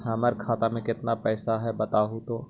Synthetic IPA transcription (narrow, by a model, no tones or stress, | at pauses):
ɦɐməɾkʰaːt̪amẽkɪt̪napɛːsaɦɛbɐt̪aːɦut̪oː